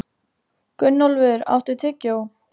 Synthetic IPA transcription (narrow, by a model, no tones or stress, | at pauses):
kʏnːɔlvɪɾa̰wht̪ɪt̪ʰɪcːow